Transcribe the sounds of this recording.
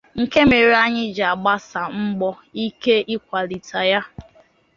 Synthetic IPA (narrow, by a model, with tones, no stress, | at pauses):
ŋ̩˨ke˦me˨ɾi˦a˦ɲɪ˦d͡ʒa˨a˨ɡ͡ba˦sa˨m̩˦ɡ͡bɔ˦ | i˦ke˦ʔi˦kʷa˨li˨tʰa˨ja˦